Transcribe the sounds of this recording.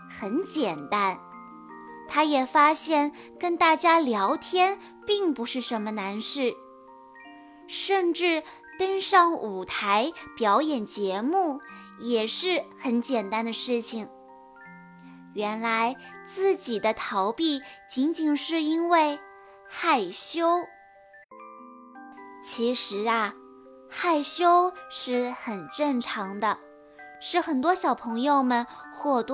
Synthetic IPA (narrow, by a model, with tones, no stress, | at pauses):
xə˧˥nt͡ɕjɛ˨˩nt̪a˥n | t̪ʰa˥jɛ˨˩fa˥ɕjɛ˥˩nkə˥nt̪a˥˩t͡ɕja˥ljɑ˧˥ʊt̪ʰjɛ˥n | pi˥˩ŋpu˧˥ʂɻ̩˥˩ʂə˧˥nmə˧na˧˥nʂɻ̩˥˩ | ʂə˥˧nʈ͡ʂɻ̩˥˩ | t̪ə˥nʂɑ˥˩ŋu˨˩t̪ʰa˧˥ɪpjɑ˧˥ʊjɛ˨˩nt͡ɕjɛ˧˥mu˥˩ | jɛ˨˩ʂɻ̩˥˩xə˧˥nt͡ɕjɛ˨˩nt̪a˥nd̪ə˨ʂɻ̩˥˩t͡ɕʰi˨˩ŋ | ɥɛ˧˥nla˧˥ɪt͡sɹ̩˥˩t͡ɕi˨˩d̪ə˦t̪ʰɑ˧˥ʊpi˥˩t͡ɕi˧˥nt͡ɕi˨˩ŋʂɻ̩˥˩i˥nwe˥˧ɪ | xa˥˩ɪɕjo˥ʊ | t͡ɕʰi˧˥ʂɻ̩˧˥ɐ˧ | xa˥˩ɪɕjo˥ʊʂɻ̩˥˩xə˨˩nʈ͡ʂə˥˩ŋʈ͡ʂʰɑ˧˥ŋd̪ə˧ | ʂɻ̩˥˩xə˨˩nt̪wɔ˥ɕjɑ˨˩ʊpʰɤ˧˥ŋjo˥˧ʊmə˨nxwɔ˥˩t̪w